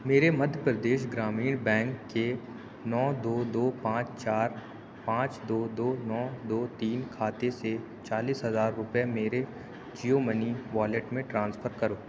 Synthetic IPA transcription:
meːɾemɐd̪ʱjəpɾəd̪eːʃɡɾaːmiːɽ̃bɛ̃ːŋkːe | nɔːd̪oːd̪oːpãːt͡ʃt͡ʃaːɾ | pãːt͡ʃd̪oːd̪oːnɔːd̪oːt̪iːnkʰaːt̪ese | t͡ʃaːliːsɦɐzaːɾːʊpjemeːɾe | d͡ʒijoməniʋaːleʈmẽʈɾãːnspʰəɾkɐɾoː

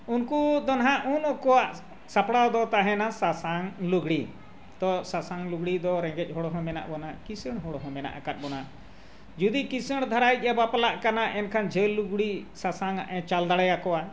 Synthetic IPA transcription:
unkud̪ɔnɦãʔunɔkɔwaʔ | sapɽawd̪ɔt̪aɦɛ̃nasasaŋluɡɽi | t̪ɔsasaŋluɡɽid̪ɔɾɛ̃ŋɡɛc̚ˀɦɔɽɔɦɔ̃mɛna̰ʔbɔnakisəɽ̃ɦɔɽɔɦɔ̃mɛna̰ʔakat̪̚bɔna | d͡ʒud̪ikisəɽ̃d̪ʱaɾajc̪̚ˀabapalaʔkanaʔɛnkʰand͡ʒʱɛlːuɡɽisasaŋa̰ʔɛt͡ʃald̪aɽɛjakɔwa

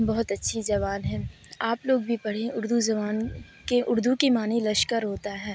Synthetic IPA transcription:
bɐɦʊt̪ɐtːʃʰid͡ʒɐʋaːlɦɛ̃ː | aːploːɡbʱipɐɽ̤ẽʊɾd̪uzɐʋaːn | keʔʊɾd̪ukimaːnilɐʃkəɾɦoːt̪aɦɛː

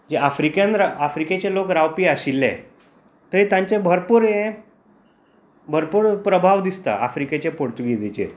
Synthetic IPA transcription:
d͡ʑeʔafɾikjãnɾafɾiket͡ɕelokɾawpiːaɕilːḛ̃ | t̪əit̪ãɲt͡ɕebʱəɾpuːɾẽ | bʱəɾpuːɾpɾəbʱaʋd̪ist̪a̰ʔa̰fɾiket͡ɕepoɾt̪uɡid͡zet͡ɕḛɾ

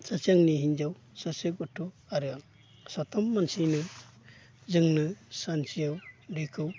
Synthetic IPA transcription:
t͡ʃat͡ʃaŋniɦind͡ʒaw | sasɯkutʰːɔ | aɾɯaŋ | sɔtʰɔmːansinɯ | zɯŋnɯsant͡ʃijawɾikʰɯw

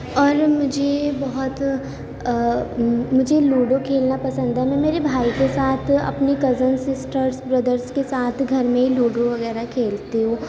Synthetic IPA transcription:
ɔːɾmʊd͡ʒʱebɐɦʊt̪ | mʊd͡ʒʱeluːɖokʰeːlnapɐsə̃nd̪ɛmɛ̃meːɾebʱaːikesaːt̪ʰɐ̰pnikɐzənsɪsʈəɾsbɾɐd̪əɾskesaːt̪ʰɡʱɐɾmẽiluːɖoʋɐɣɛːɾakʰeːlt̪eɦũː

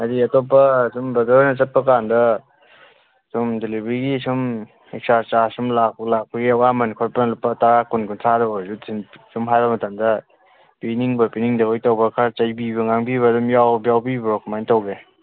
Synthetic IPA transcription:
adiɐtop̬ːɐsumbɐdɔɾjnɐt͡ʃɐt̚pɐk̬andɐ | sumdelibɾiɡisum | ek̚saɾt͡ʃasumlak̚lak̚pɐɡiɐwamɐnkʰɔɾpɐnɐlupːɐtaɾakunkuntʰadɐbɐzutsinsumɦajɾɐmɐtamdɐ | piniŋbɐpiniŋdɐojtawbɐkʰaɾt͡ʃajbibɐŋaŋbiβɐdumjawbjawbibɾɔkmajntawɡe

